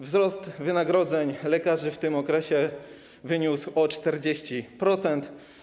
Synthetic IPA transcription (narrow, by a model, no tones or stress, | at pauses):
vzɾɔst̪vɘnaɡɾɔd̪zɛɲlɛkaʐɘft̪ɘmɔkɾɛɕɛ | vɘɲuswɔt͡ʂt̪ɛɾd͡ʑeɕt͡ɕipɾɔt̪sɛnt̪